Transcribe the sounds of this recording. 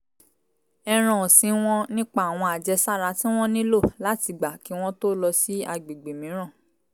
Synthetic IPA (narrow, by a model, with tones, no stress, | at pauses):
ɛ˧ɾ̃ã˨sĩ˨˦w̃ɔ̃˦nĩ˦k͡pa˦a˨w̃ɔ̃˧a˨d͡ʒɛ˧sa˦˨ɾa˨˦tĩ˦w̃ɔ̃˦nĩ˦lo˦˨la˦ti˧ɡ͡ba˨ki˨˦w̃ɔ̃˦to˦lɔ˧si˦a˧ɡ͡be˨ɡ͡be˨mĩ˨˦ɾ̃ã˦˨